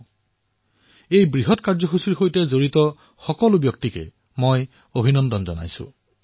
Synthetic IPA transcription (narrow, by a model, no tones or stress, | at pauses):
ejbɹiɦɔtkaɹd͡ʒɔxusuɾxojtezoɹit̪ɔ | xɔkɔlubjɔk̚t̪ikḛ | moj | obʱinɔndɔnzɔna̰jsṵ̃